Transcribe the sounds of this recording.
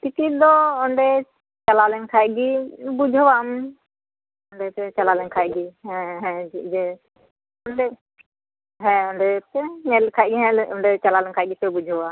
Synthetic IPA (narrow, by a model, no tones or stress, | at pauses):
t̪ikid̪ɔɔɳɖɛ | t͡ʃalalɛŋkʰaʔɡibud͡ʒʱɔwam | ɔɳɖɛpɛt͡ʃalalɛŋkʰajɡiɦɛ̃ɦɛ̃d͡ʒid͡ʒɛ | ɔnɖɛ | ɦɛ̃ɔɳɖɛpɛɲɛlkʰaʔɡiɦɛ̃lɔɳɖɛt͡ʃalalɛŋkʰaʔɡipɛbud͡ʒʱɔwa